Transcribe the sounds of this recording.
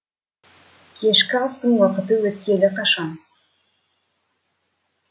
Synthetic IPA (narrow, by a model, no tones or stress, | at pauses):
kʲʰe̞ʃkʲɪɑst̪əɴwəqət̪əwɵt̪̚ʲːe̞lɪqʰɑʃɑn